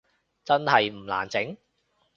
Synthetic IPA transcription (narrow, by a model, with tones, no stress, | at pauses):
t͡sɐ˥nhɐ˨jm̩˨˩la̰ː˨˩nt͡sɪ˨˥ŋ